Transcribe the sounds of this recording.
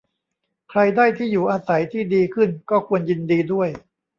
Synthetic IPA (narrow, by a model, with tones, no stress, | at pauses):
kʰɾa˧jdaː˥˩jt̪ʰiː˥˩juː˨˩ʔaː˧sa˩˦jt̪ʰiː˥˩diː˧kʰɯ˥˩nkɔː˥˩kʰu˧ənji˧ndiː˧du˥˩əj